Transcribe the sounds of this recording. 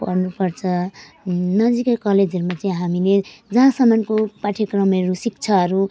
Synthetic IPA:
ʌ̰rnupʌrt͡sʰʌ | nʌd͡zikekʌled͡zʌɾumat͡saĩɦamiled͡zʌɦãsʌmankopaʈʰekrʌmeɾusikt͡sʰʌɦʌɾu

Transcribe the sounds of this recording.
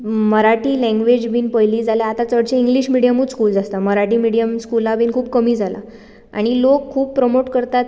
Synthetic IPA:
məɾaʈiːlɛ̃ŋɡʋed͡ʑbʱiːnpəjliːd͡zaljaat̪at͡səɽt͡ɕeiŋɡliɕmiɽijəmuːt͡sskuːld͡zast̪aməɾaʈiːmiɽijəmskulabʱiːnkʰuːb̚kəmiːd͡zʱala̰ | a̰ɽ̃ilokʰːuːb̚pɾəmoʈkəɾt̪at̪

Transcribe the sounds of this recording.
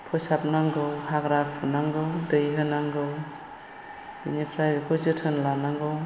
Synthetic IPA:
pʰɔsap̚naŋɡɯwhaɡɾapʰunaŋɡɯwdɯjɦɯnaŋɡɯw | b̥inipʰɾajbekʰɔzɯtʰɯnlanaŋɡɯw

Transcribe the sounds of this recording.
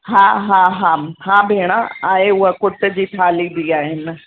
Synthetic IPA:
ɦãːɦãːɦãːhãːbʱeːɽ̃ãaːeʊɦəkʊʈə̆d͡ʑiːt̪ʰaːlibiaːɦɪnɪ̆

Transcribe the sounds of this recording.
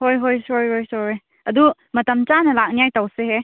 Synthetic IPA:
hojɦojsojhojsoɾe | ɐdu | mɐtɐmt͡ʃanɐlak̚nijajtawseɦe

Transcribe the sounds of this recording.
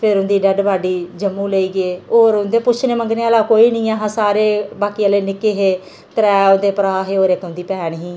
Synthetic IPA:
pʰɪɾʊnd̪iːɖəɖbaːɖiːd͡ʒəmːũːləiːɡeːoːɾʊnd̪eːpʊt͡ʃʰneːməŋɡneːaːlaːkoːiːnĩːaːɦãːsaːɾeːbaːkiːəːleːnɪkeːɦeː | t̪əɾɛːʊnd̪eːpəɾaːɦeːoːɾekːʊ̃nd̪iːpɛːnɦĩː

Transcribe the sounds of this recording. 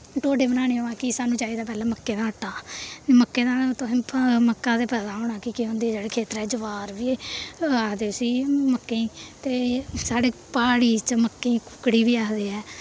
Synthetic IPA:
ʈoːɖeːbənaːɽ̃eːɦoãːkɪsaːnũːt͡ʃaːiːd̪aːp̬ɛːlãːməkːeːd̪aːəʈːaːməkːeːd̪aːt̪ʊsĩːməkːãːd̪eːpɛːd̪aːɦoːɳãːkɪkiɦõːnd̪iːɛːd͡ʒeːɽeːkʰeːt̪əɾɛːd͡ʒəʋaːɾʋiːaːkd̪eːsiːməkːeiːt̪eːsaːɖeːpaːɽiːt͡ʃəməkːeĩːkʊkːɽiːʋiːaːkd̪eːɛː

